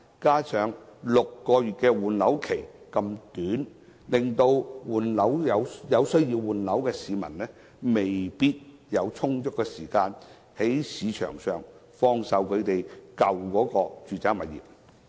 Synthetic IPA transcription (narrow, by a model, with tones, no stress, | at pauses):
kaː˥t͡sʰœː˨ŋlʊ˨kːɔː˧jyː˨t̚kɛː˧wuː˨˩nlɐ˨˥wkʰe˨˩j | kɐ˧mt̪yː˨˥n | lɪ˨ŋt̪o˧wwuː˨˩nlɐ˨˥wjɐ˨˧wjɐ˨˧wsɵ˥ɥji˧wwuː˨nlɐ˨˥wkɛː˧siː˨˧mɐ̰˨˩nlɛː˥ | me˨jpiː˥t̚ | jɐ˨˧wt͡sʰʊ˥ŋt͡ʃʊ˥k̚kːɛː˧siː˨˩kaː˧n | he˨˥jsiː˨˧t͡ʃʰœ̰ː˨˩ŋsœː˨ŋ | fɔː˧ŋsɐ˨wkʰɵ˨˧ɥt̪e˨jkɐ˨wkɔː˨˧˥kɔː˧t͡ʃyː˨t͡saː˥mɐ˨t̚jḭː˨˩p̚